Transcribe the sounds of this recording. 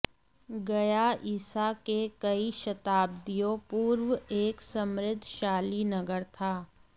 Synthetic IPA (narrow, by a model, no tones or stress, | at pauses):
ɡɐjaiːsakekɐiʃɐt̪aːb̚d̪ijopuːɾwəeːksɐmɾɪd̪ʱːʃaːlinɐɡəɾt̪ʰaː